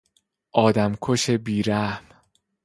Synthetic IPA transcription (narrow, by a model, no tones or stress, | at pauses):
ʔɒːd̪æmkʰoʃebiːɾæhm